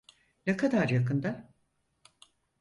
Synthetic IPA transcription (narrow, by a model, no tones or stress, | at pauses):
nekʰad̪aɾjakɯnd̪a